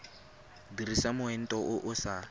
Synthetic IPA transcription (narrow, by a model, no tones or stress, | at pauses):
dirisamʊɛn̩tʼɔʔʊʔʊsa